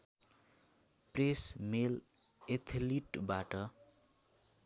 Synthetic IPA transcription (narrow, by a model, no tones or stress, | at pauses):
presmel | et̪ʰliʈbaʈʌ